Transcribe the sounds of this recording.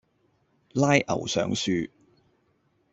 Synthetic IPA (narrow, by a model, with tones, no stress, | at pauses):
laː˥jʔɐ̰˨˩wsœ̰ː˨˥ŋsyː˧